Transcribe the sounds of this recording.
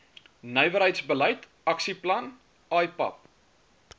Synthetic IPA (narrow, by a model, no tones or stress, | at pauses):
nœjvəɾɦəjtsbələjt | ɐksiplɐn | ɑːjpɐ̰p̚